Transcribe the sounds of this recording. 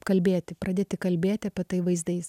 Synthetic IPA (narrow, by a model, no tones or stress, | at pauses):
kɐlʲbʲeːt̪ʲɪpɾɐd̪ʲeːt̪ʲɪkɐlʲbʲeːt̪ʲɪɐpʲiɛt̪ɐɪʋɐɪzd̪ɐɪs